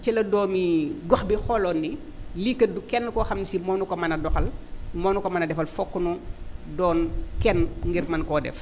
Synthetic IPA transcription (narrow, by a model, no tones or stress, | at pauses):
cɛlɐdɔːmiɡɔxbixɔlɔːnːi | likːədukɛnːkɔxɐmnisimɔːnukɔmɐnɐdɔxɐlmɔːnukɔmɐnɐdɛfɐlfɔkːunudɔːnkɛnŋɡirmɐnkɔdɛ̰f